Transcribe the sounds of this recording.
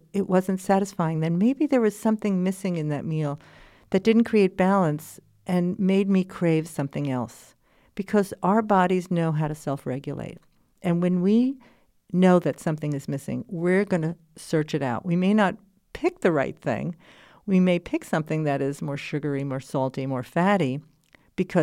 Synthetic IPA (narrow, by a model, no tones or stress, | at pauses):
ɨʔ̚wʌzɨ̃n̩tsæɾɨsfaɪɪ̃ŋðɨ̃nmeɪbiðə˞wʌz̥sʌ̃mθɪ̃ŋmɪsɪ̃ŋɨ̃nðɨ̰t̚milˠ | ðɨt̚d̥ɪdⁿn̩kʰɹ̥ieɪt̚b̥ælˠə̃ns | ʔɨ̃nmeɪd̚mikʰɹ̥eɪv̥sʌ̃mθɪ̃ŋɛlˠs | b̥ɨkʰʌzaʊə˞bɑɾiznoʊɦaʊɾɨsɛlˠfɹɛɡjɨ̰lˠḛɪɾ̚ | ʔɨ̃nwɨ̃nwi | noʊðɨtsʌ̃mθɪ̃ŋɨzmɪsɪ̰̃ŋwɪɹɡʌnɨ | sɜ˞t͡ʃɨɾa̰ʊʔ̚wimeɪnət̚ | pʰɪk̚ðɨɹaɪt̪̚θɪ̰̃ŋ | wimeɪpʰɪksʌ̃mθɪ̃ŋðɨɾɪzmɔɹʃʊɡə˞imɔɹsɔlˠtimɔɹfæɾi | b̥ɨkʰʌ